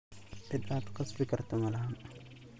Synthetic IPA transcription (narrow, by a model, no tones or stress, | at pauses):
ʔɪd̪aːd̪qɑsbɪkʰɐrt̪ʰɔmɐlɐhaːn